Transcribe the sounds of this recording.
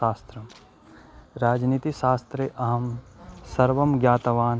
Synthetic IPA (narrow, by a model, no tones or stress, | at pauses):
aːst̪ɾɐm | ɾaːd͡ʒniːt̪iʃaːst̪ɾeʔɐɦɐmsɐɾʋɐmɡjaːt̪ɐʋaːn